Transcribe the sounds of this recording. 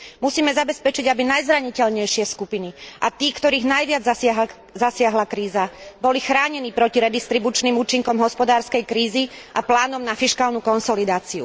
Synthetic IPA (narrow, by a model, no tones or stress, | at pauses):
musiːmɛzabɛspɛt͡ʃiɟabinajzɾaɲicɛʎɲɛjʃɪɛskupiniʔat̪iːkt̪ɔɾiːɣnajʋɪad͡zɦ | zasɪaɦlakɾiːzabɔlixɾaːɲɛniːpɾɔciɾɛd̪ist̪ɾibut͡ʃniːmuːt͡ʃiŋkɔmɦɔspɔd̪aːɾskɛjkɾiːziʔaplaːnɔmnafiʃkaːlnukɔnsɔlid̪aːt͡siṵ